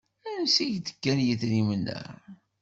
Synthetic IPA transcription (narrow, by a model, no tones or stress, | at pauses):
ænsiʝt̪ə̥kːænjiθnimnæ̰